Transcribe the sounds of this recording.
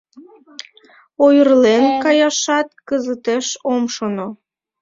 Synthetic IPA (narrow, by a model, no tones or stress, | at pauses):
ojərlenkɑjɑʃɑt̪̚kəzət̪eʃomʃono